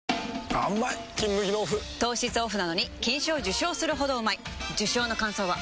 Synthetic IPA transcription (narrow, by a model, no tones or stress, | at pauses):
a̰mːaikʲĩmːɯʑinoːɸɯ̟t̪o̞ːɕit͡sɨoɸɯ̟nano̞ɲ̟ikʲĩɰ̃ɕoːʑɨɕo̞ːsɨɾɯ̟ɦo̞d̪o̞ɯmaid͡ʑɨɕo̞ːno̞kãɰ̃so̞ːβa